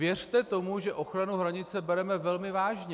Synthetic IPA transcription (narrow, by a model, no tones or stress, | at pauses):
jɛr̝̥t̪ɛt̪o̞muʒɛʔo̞xɾanuɦɾaɲɪt͡sɛbɛɾɛmɛvɛlmɪvaːʒɲɛ